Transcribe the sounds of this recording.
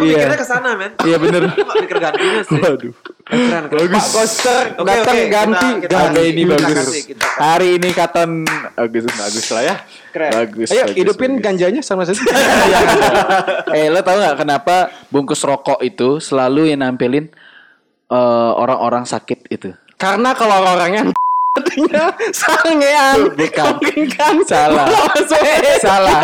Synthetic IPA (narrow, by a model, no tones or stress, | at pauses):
ijaakəsanamɛnjabənərkəɡanimawaduɛnbaɡʊskost̪ərdat̪aŋɡant̪iɡaaainibaɡʊsshaɾiːnikat̪anbaɡʊsbaɡuslaja | baɡʊsajaahidupɪnɡaɲd͡ʒaɲasaŋmas̬at̪ija | ɛlot̪auŋɡaʔkənapabuŋkʊsɾokɔʔit̪usəlaluɲənampilɪn | əo̰ɾa̰ŋoɾaŋsakɪt̪̚it̪u | kaɾənakəloɾoɾaŋant̪iɲasaŋeanbikaɡŋkansalaamassala